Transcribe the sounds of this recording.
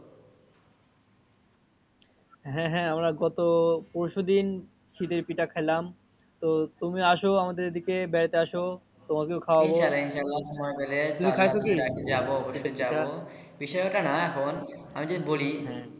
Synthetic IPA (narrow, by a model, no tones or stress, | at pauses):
ɦɛ̃ɦɛ̃amɾaɡɔt̪opoɾʃod̪in | ʃit̪eɾpiʈakʰajlam | t̪ot̪umiaʃoamad̪eɾd̪ikebɛɾt̪eaʃo | t̪omakewkʰawaboʃalːainʃalːaʃɔmɔebelet̪umikʰajʰokiɾaked͡ʑaboɔboʃːojd͡ʑaao | biʃɔeoʈanaɛkʰon | amid͡ʑeboliɦɛ̃